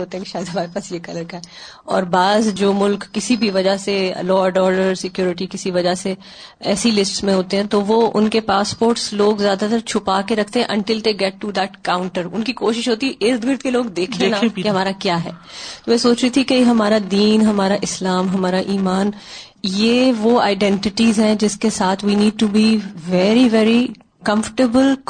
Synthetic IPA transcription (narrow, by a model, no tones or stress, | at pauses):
oːt̪ẽɦɛ̃kiʃaːɪd̪ɦɐmaːɾepaːsjekɐləɾkaɦɛ | ɔ̰ːɾbaːzd͡ʒoːmʊlkːɪsibʱiʋɐd͡ʒasḛlɔːɖɔːɾɖəɾsɪkjoːɾɪʈ̬ikɪsiʋɐd͡ʒase | ɛːsilɪsʈsmẽɦoːt̪ẽɦɛ̃t̪oʋoʊ̰nkepaːspoːɾʈsloːɡzjaːd̪at̪ɐɾt͡ʃʰʊpakeɾɐkʰt̪ẽɦɛ̃ʔɐ̃ɳʈɪld̪eːɡɛʈːud̪ɛʈkãːʊ̃ɳʈəɾʊ̰nkikoːʃɪʃɦoːt̪iɛʔɪsd̪ɡɪɾt̪keloːɡd̪eːkʰẽnaeɦɐmaːɾakjaːɦɛ̰ːt̪oːʋɛːsoːt͡ʃɾit̪ʰikejeɦɐmaːɾad̪iːnɦɐmaːɾaʔɪslaːmɦɐmaːɾaʔiːmaːn | jeːʋoa̰ːɪɖɛ̃ɳʈɪʈizɦɛ̃d͡ʒɪskesaːt̪ʰʋiniːɖ̚ʈubiʋɛɾiʋɛːɾi | kɐ̃mfə̥ʈəbəl